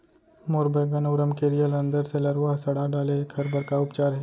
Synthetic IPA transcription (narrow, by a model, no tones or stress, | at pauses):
moːɾbəɡɐnɐːɾəmkeɾijəlɐ̃nd̪əɾselɐɾʋaːɦsɐɽaɖaːlekʰɐɾbɐɾkaʊpt͡ʃaːɾɦɛ